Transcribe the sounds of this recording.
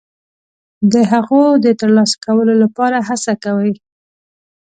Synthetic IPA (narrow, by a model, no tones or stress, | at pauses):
d̪əɦaɣod̪ət̪əɾlɑsḁkawəlolapɑɾaɦasakawəj